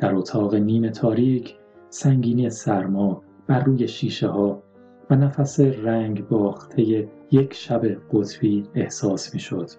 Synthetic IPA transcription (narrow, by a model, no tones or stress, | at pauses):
d̪̥æɾot̪ʰɒːɣe̞niːme̞t̪ʰɒːɾiːcʰ | sæŋɟiːniːesæɾmɒː | b̥æɾːuːje̞ʃiːʃe̞ɦɒː | vænæfæseræŋɟbɒːxtt̪ʰe̞je̞ | je̞cʰʃæbe̞ɢ̥ot̪ʰb̥iːehsɒːsmiːʃo̞d̪̥